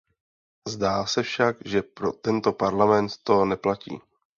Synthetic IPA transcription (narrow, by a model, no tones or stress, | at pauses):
zdaːsɛfʃakʒɛpɾo̞t̪ɛnt̪o̞paɾlamɛnt̪ːo̞nɛplacḭː